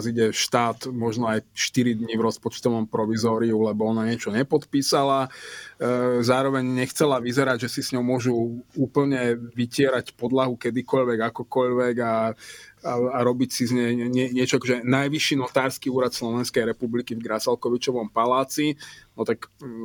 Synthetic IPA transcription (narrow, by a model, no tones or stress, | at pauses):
ziɟɛʃt̪aːt̪mɔʒnɔajʃt̪iɾid̪ɲivɾɔspɔt͡ʃt̪ɔʋɔmpɾɔʋizɔːɾiulɛbɔɔnaɲɪɛt͡ʃɔɲɛpɔt̪piːsala | zaːɾɔʋɛɲɲɛxt͡sɛlaʋizɛɾaɟʒɛsisɲɔʊmʊɔʒuuːpl̩ɲɛʋicɪɛɾacpɔd̪laɦukɛd̪ikɔʎʋɛɡakɔkɔʎʋɛɡa | aɾɔbicsizɲɛɲɛɲɪɛt͡ʃɔakɔʒɛnajʋiʃːinɔt̪aːɾskiuːɾat̪slɔʋɛnskɛjɾɛpublikivɡɾasalkɔʋit͡ʃɔʋɔmpalaːt͡sinɔt̪ak